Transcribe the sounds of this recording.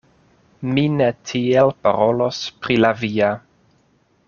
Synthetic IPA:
minetʰielpaɾolo̞spɾilavia

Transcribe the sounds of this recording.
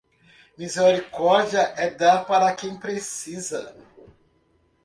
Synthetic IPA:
mizeɾikɔɾd͡ʒiɐʔɛd̪apaɾɐkẽj̃pɾesizɐ

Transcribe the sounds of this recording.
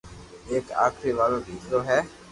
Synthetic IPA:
eːka̰ːkʰɾiːʋaːlõːd̪ʱiːsloːɦɛː

